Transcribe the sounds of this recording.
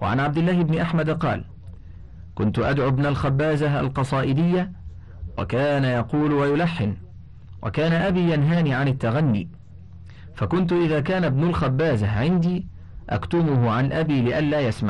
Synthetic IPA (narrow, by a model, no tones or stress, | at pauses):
wa̰ʕa̰nʕab̚d̪ɪlːaːhɪbnɪʔaħmad̪qɑ̰ːl | kʊnt̪ʊʔad̪ʕʊbnalxabːaːzaʔa̰lqɑsˤɑːʔɪd̪ɪjːa | wa̰kaːnajɑquːlwajʊlaħːɪn | wa̰kaːnaʔabiːjanɦaːniːʕanɪt̪ːaɣanːḭː | fakʊnt̪̬ʊʔɪðaːkaːnabnʊlxabːaːzaʕɪnd̪iː | ʔa̰kt̪ʊmʊhʊʕanʔabiːlɪʔanlaːjasma̰ʕ